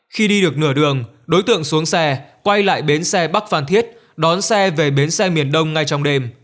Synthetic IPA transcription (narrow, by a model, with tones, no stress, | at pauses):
xi˧ɗi˧ɗɨ˨˩ək̚nɨ˧˩əɗɨ˨˩əŋ | ɗo˨˦jt̪ɨ̰˧˨əŋsu˨˦əŋsɛ˧kwa˧jla̰ː˧˨jɓe˨˦nsɛ˧ɓa˦˥k̚faː˧˩nt̪ʰi˦˥ət̚ | ɗɔ˨˦nsɛ˧ve˨˩ɓe˨˦nsɛ˧mi˨˩ənɗə˧wŋ͡mŋa˧jt͡ɕɔ˧wŋ͡mɗe˧m